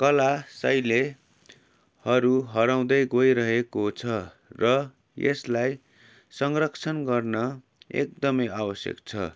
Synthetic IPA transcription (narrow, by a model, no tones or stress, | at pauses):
kʌlasʌjle | hʌɾuɦʌɾaw̃d̪ʌjɡojɾʌɦekot͡sʰʌ | rʌ | jḛslaj | sʌŋrʌkt͡sʰʌnɡʌrnʌ | ḛk̚d̪ʌmʌjabʌsjʌ̰kt͡sʰʌ̰